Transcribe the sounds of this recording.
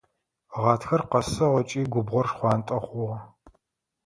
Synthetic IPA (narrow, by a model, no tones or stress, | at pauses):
ʁɑːtʰxɐrqɐsɐʁɔt͡ʃʼiːɡʷʊbʁʷɔrʂχʷɑːntʼɐχʷʊʁɐ